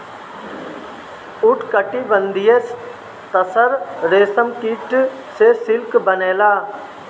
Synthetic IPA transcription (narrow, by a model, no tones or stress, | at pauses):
ʊʈkəʈːibənd̪ijes | t̪əsəɾɾeːsəmkiːʈ | sesɪlkbəneːlaː